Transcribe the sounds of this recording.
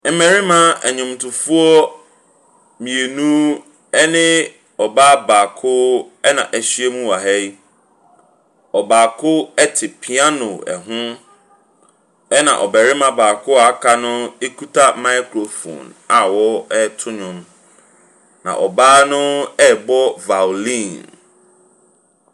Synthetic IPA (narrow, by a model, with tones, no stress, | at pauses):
m̩˦mɛ̃˨ɾɪ˦mã˦æ̰˨ɲʊ̃˨mtʰʊ˨fu˦ɔ˦ | mĩ˨e˨nũ˦ | ɛ˦nɪ̃˦ | ɔ˨baː˦baː˨kʰʊ˦ɛ˦nã̰˨ʔæ˨ɕɥe˦mũ˦wa˨ɦɛ˦i˦ | ɔ˨baː˨kʰʊ˦ɛ˦tʰɪ˨pʰi˨˦ã˦nʊ̃˨ɛ̰˨ɦʊ̃˦ | ɛ˦nã̰˨ʔɔ˨bɛ˨ɾɪ˦mã˦˨baː˨kʰʊ˦a˨˦kʰa˦nʊ̃˦e˦kʰu˦tʰa˦mã˦jkʰɾo˨fõ̰˨na˨wɔ˦ɛ˦tʰʊ˦ɲʊ̃˨m | nã̰˨ʔɔ˨baː˦nʊ̃˦ɛ˦˨bɔ˦va˨lĩ˦˨n